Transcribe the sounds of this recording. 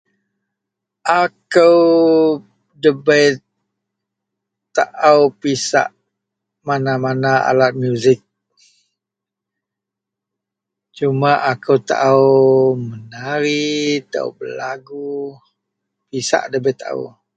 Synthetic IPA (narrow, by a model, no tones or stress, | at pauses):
ʔakəw | dəbəjt̪̚ | aʔəwpisa̰ʔ | manamanaa̰lat̪̚mjuzɪk̚ | t͡ʃumaʔakəwt̪a̰ʔəwmənaɾit̪aʔə̰wbəlaɡu | pisa̰ʔdəbət̪ːaʔaə̰w